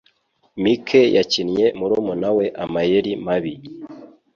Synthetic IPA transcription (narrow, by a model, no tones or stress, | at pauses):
mikʰejacinɲe̞muɾumunawe̞ʔamajeɾimaβi